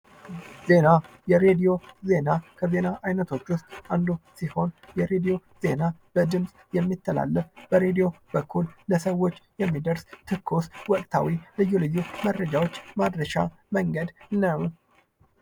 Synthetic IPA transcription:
z̥e̞na | jɛɾed̪ijo̞ze̞nakʰəze̞naʔajnət̪ʰo̞t͡ʃːʊst̪ʼand̪usiho̞njɛɾe̞d̪ijo̞ze̞nab̥əd̪ɨmsʼjɛmːit̪ʰːəla̰lːəfb̥əɾe̞d̪ijo̞bəkʰːulləsəwo̞t͡ʃːjɛmːid̪əɾst̪ʰɨkʰːoswɔkʼt̪ʰa̰wilɨjːulɨjːuməd̪ɾəd͡ʒawo̞t͡ʃːmad̪ɾəʃa̰ | məŋɡəd̪nəw

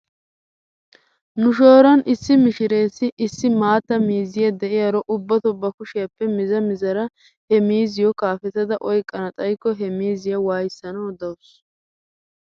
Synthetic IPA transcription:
nʊʃoːɾɐnʔɪsːɪmɪʃɪɾe̞ːsːɪʔɪsːɪmaːt̪ːɐmiːzɪjɐd̪ɛʔɪjɐɾɔʔʊbːɐt̪ɔbːɐkʊʃɪjɐpːɛmɪzɐmɪzɐɾɐ | hɛmiːzɪjɔkaːfɛt̪ːɐd̪ɐʔɔjkʼːɐnɐt̪ʼɐjkːɔɦɛmiːzɪjɐwaːjɪsːɐnɐwɔd̪ɐwʊs

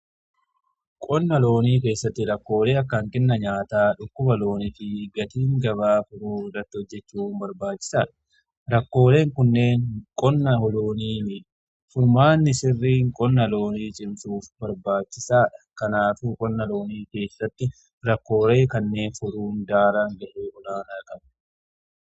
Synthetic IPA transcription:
kʼɔnːɐlo̞ːniːke̞ːsːɐt̪ːɪɾɐkːo̞ːle̞ːɐkːɐŋkɛnːɐɲaːt̪aːᶑʊkːʊbɐlo̞ːnɪfɪɡɐt̪iːŋɡɐβaːfʊɾuːrɐt̪ːɪhɔd͡ʒːɛt͡ʃːuːmbɐɾbaːt͡ʃːɪ̥saːᶑɐ̥ | ɾɐkːo̞ːle̞ːŋkʊnːe̞ːŋkʼɔnːɐhɔloːniː | fʊɾmaːnːɪsɪrːiːŋkʼɔnːɐlo̞ːniːt͡ʃʼɪmsuːfbɐɾbaːt͡ʃːɪsaːᶑɐkɐnaːfuːkʼɔnːɐlo̞ːniːke̞ːsːɐt̪ːɪ | ɾɐkːo̞ːɾe̞ːkɐnːe̞ːnfʊɾuːnd̪aːɾaŋɡɐʔuːɔlaːnakʼɐbn

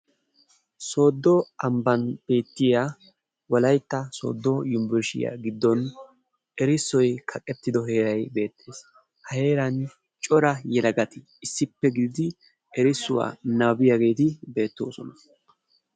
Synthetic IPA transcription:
so̞ːd̪ːɔɐmbɐnb̥e̞ːt̪ːɪja | wɐlɐjt̪ːɐso̰ːd̪ːɔjʊmbɛɾʃɪ̰ja̰ɡɪd̪ːɔn | ʔɛɾɪsːɔjkʰɐkʼɛt̪ːɪd̪ɔɦe̞ːɾɐjbe̞ːt̪ʰːe̞ːs | hɐhe̞ːɾɐn | t͡ʃʼɔɾɐjɛlɐɡɐt̪ɪ | ɪsːɪpːɛɡɪd̪ɪd̪ɪ | ɛɾɪsːʊwa̰ːnɐbɪjaɡe̞ːt̪ɪbe̞ːt̪ːo̞̰ːsɔnɐ

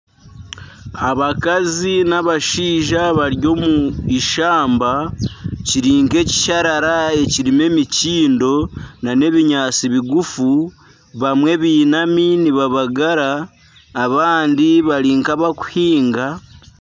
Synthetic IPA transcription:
aβakazinaβaʃiːʒaβaɾjo̞muiʃaːmba | ciɾiːŋke̞ci̥ʃaɾaɾae̞ciɾime̞miciːndo̞nane̞βiɲaːt͡siβiɡufu | βamwe̞βiːnaminiβaβaɡaɾaː | βaːndiβaɾiːŋkaβaku̥hiːŋɡa

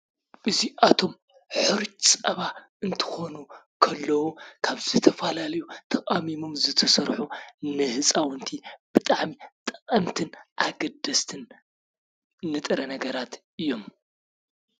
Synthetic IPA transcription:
ʔɨziʔat̪ʰo̞m | ħɨɾt͡ʃt͡sʼɐβa | ɨnt̪ʰɨ̥xo̞nu | kʰɐlːɐwukʰaβzɨt̪ʰɐfalalɐjut̪ʰɐkʼamimomzɨt̪ʰɐsɐɾħunɨhɨt͡sʼawɨnt̪ʰib̥ɨt̪ʼaʕmit̪ʼɐ̥kʼɐmt̪ʰɨnʔaɡɐd̪ɐst̪ʰɨn | ɨt̪ʼɨɾɐnɐɡɐɾat̪ʔɨjːo̞m

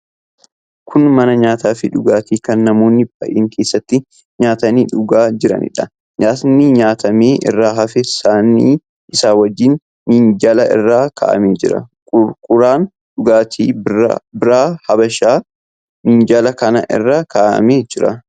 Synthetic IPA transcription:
kʰʊnmɐnɐɲaːt̪aːfɪᶑʊɡaːt̪iːkɐnːɐmo̞ːnːɪbɐ̰ʔeːŋkʰe̞ːsːɐt̪ːɪ | ɲaːt̪ɐniːᶑʊɡaːd͡ʒɪɾɐ̰nɪ̰ᶑɐ | ɲaːnːɪɲaːt̪ɐmeːʔɪ̰rːaːɦɐfɛsaːnːiː | ʔɪsaːwɐd͡ʒːɪːnː | ind͡ʒɐlɐʔɪ̰rːaːkʰa̰ːʔɐ̰meːd͡ʒɪɾɐ̰ | ʊkʼʊɾaːn | ᶑʊɡaːt̪ʰiːbɪɾaːhɐbɐʃaː | mind͡ʒɐlɐkɐnɐ̰ʔɪ̰rːaːkʰaːʔɐ̰meːd͡ʒɪɾɐ

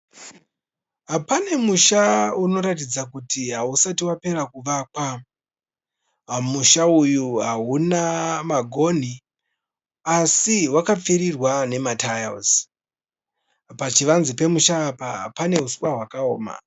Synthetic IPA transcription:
ɦapane̞muʃauno̞ɾatid͡zakutiɦausatiwape̞ɾakuʋakwa | muʃaujuɦaunamaɡʱo̞n̤i | asiwakap͡fiɾirwane̞matajo̰s | pat͡ʃiʋanzipe̞muʃaːpaa̰pane̞uswaɦwakaoːma̰

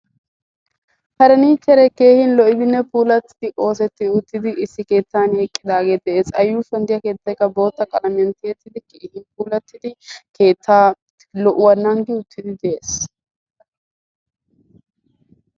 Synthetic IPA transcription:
hɐɾɐniːt͡ʃːɛɾɛke̞ːhɪnlɔʔɪb̪ɪnːɛpuːlɐt̪ːɪ̥d̪̥ɪʔo̞ːsɛt̪ːɪʊt̪ːɪd̪ɪʔɪsːɪke̞ːt̪ːaːnɛkʼːɪd̪aːɡe̞ːd̪ɛʔeːsɐjːuːsɐnd̪ɪjɐke̞ːt̪ːɐjkːɐbo̞ːt̪ːɐkʼɐlɐmɛnt̪eːt̪ːɪd̪ɪkeːhɪnpuːlɐt̪ːɪd̪ɪke̞ːt̪ːaː | lɔʔʊwɐnːaŋɡɪʊt̪ʰːɪd̪ɪd̪ɛʔeːs

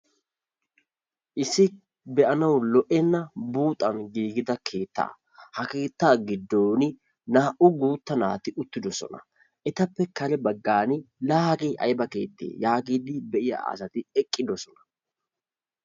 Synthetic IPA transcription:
ʔɪsːɪ | bɛʔɐnɐwlɔʔɛnːɐbuːt̪ʼːɐnɡiːɡɪd̪ɐkʰe̞ːt̪ːa̰ː | hɐke̞ːt̪ːaːɡɪd̪ːoːnɪ | naːʔʊɡuːt̪ːɐna̰ːt̪ɪʔʊt̪ːɪd̪ɔsɔ̰nɐ̰ | ʔɛt̪ɐpːɛkɐlɛbɐɡːaːnɪlaːɡiːʔɐ̰jbɐke̞̰ːt̪ːḛːjaːɡiːd̪ɪbɛʔɪjɐ̰ɐ̰sɐt̪ɪɛkʼːɪd̪ɔsɔnɐ̥

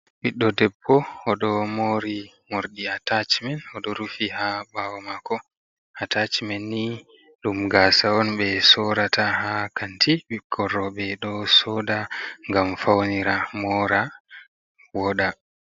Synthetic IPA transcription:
ɓiɗːɔdɛbːɔɔɗɔmoɾi | moɾɗiatat͡ʃmɛnɔɗɔɾufihabawɔmakɔ | atat͡ʃimɛnːi | ɗumɡaːsaɔnɓɛsɔɾatʰaɦakantʰiɓikʰːɔrːɔɓɛɗɔsɔdaŋɡamfawniɾamɔɾa | wɔɗa

